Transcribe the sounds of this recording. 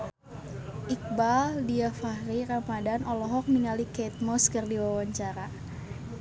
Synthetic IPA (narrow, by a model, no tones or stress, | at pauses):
ʔik̚baldiafaɾiɾamadanɔlɔɦɔk̚niŋalikɛt̪̚mɔskərdiwawaɲt͡ʃaɾa